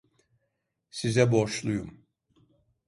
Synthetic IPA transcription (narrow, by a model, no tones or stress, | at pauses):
sizɛboʃlˠujum